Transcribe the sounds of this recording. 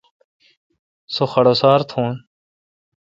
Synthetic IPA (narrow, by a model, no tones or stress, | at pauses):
soxɐɽoːsaːɾt̪ʰõːn